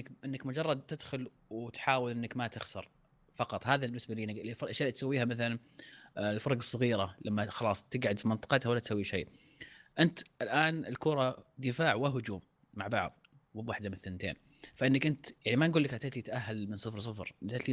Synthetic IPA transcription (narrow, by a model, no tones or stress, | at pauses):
ʔɪnːakmʊd͡ʒɑrˤːɑd̪̚t̪ɪd̪xʊl | wt̪ħaːwɪlʔɪnːakmat̪ɪxsɑ̰ɾˤ | fɑqɑt̪ˤhaːðabɪnːɪsbaliːnɪɡlfɑɾʔaʃaːt̪sawːiːhamaθalan | lfɑɾˤɑɡɑsˤːɑɣiːɾalamːaxɑlɑːsˤt̪ɪɡʕʊd̪fimənt̪ˤɨ̥qɑt̪hawalːat̪sawːiʃejː | ʔɪnt̪ʔɪlʔaːnɪ̰lkʊːɾˤɑd̪ɪfaːʕwaɦʊd͡ʒuːmː | aʕbɑʕðˤ | wɪbwaħd̪amɪnθːɪnːt̪ḛːn | faʔɪnːakʔɪnt̪jaʕnimanɡuːlːakhat̪aʔt̪it̪aʔaɦːalmɪnsˤɨfɾs̬ˤɨfɾʔt̪at̪i